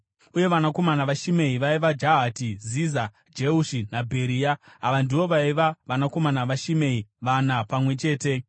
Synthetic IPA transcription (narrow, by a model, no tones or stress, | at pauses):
uje̞ʋanako̞manaʋaʃime̞iʋaiʋad͡ʒaɦatiziza | d͡ʒeuʃinabʱe̞ɾiːjaaʋandiʋo̞ʋaiʋaʋanako̞manaʋaʃime̞iʋanapamwe̞t͡ʃe̞ːte̞